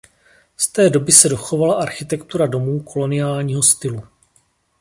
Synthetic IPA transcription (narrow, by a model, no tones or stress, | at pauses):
st̪ɛːdo̞bɪsɛdo̞xo̞valaʔaɾxɪt̪ɛkt̪uɾado̞muːkʰo̞lo̞nɪjaːlɲiːɦo̞st̪ɪlu